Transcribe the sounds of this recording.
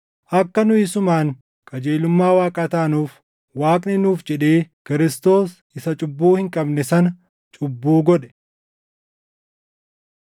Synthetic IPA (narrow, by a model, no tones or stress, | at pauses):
ʔɐkːɐnʊɪsʊmaːŋ | kʼɐd͡ʒeːlʊmːaːwaːkʼɐt̪aːnuːf | waːkʼnɪnuːfd͡ʒɛᶑeːkɪɾɪst̪o̞ːs | ɪsɐt͡ʃʼʊbːuːhɪŋkʼɐbnɛsɐnɐ | t͡ʃʼʊbːuːɡɔᶑɛ̥